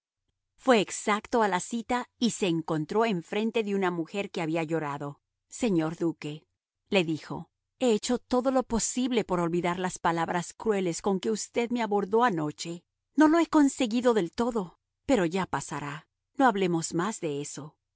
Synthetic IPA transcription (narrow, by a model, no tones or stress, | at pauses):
fwe̞ːksakt̪o̞alasit̪aise̞ːŋko̞nt̪ɾo̞e̞ɱfɾe̞nt̪e̞ðeunamuxe̞ɾke̞aβiaʝo̞ɾaðo̞ | se̞ɲo̞ɾðuke̞ | le̞ðixo̞̰ | e̞et͡ʃo̞t̪o̞ðo̞lo̞po̞siβle̞po̞ɾo̞lβiðaɾlaspalaβɾaskɾwe̞le̞sko̞ŋke̞ust̪e̞ðme̞aβo̞ɾðo̞ano̞t͡ʃe̞ | no̞lo̞e̞ko̞nse̞ɣiðo̞ðe̞lt̪o̞ðo̞ | pe̞ɾo̞ʝapasa̰ɾa | no̞aβle̞mozmazðe̞eso̞